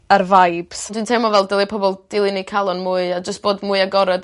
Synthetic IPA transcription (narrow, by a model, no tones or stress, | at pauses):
ərvajb̥sdwintʰɛmɔvɛlˠdəlˠipʰɔbɔlˠd̥ɪlˠɨnikʰalˠɔnmuːɨad͡ʒəstb̥oːdmuːɨaɡɔɾɔd